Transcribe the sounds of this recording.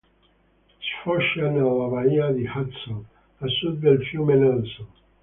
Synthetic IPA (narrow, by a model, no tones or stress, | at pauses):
sfɔʃanalaβaiad̪ihat̪son | asud̪̚ːelfjumenanso